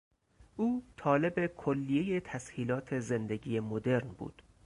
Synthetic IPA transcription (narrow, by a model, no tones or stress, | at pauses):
ʔuːt̪ʰɒːle̞be̞kʰolːijejet̪ʰæshiːlɒːt̪ʰe̞zend̪e̞ɟiːjemod̪e̞ɾnbṵːd̪̥